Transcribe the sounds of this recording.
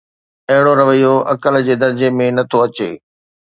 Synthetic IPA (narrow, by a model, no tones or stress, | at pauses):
ɐɦɪɽoɾɐʋəijoʔɐkəld͡ʑeːd̪ɐɾd͡ʑemẽnɐt̪ʰoɐt͡ɕḛː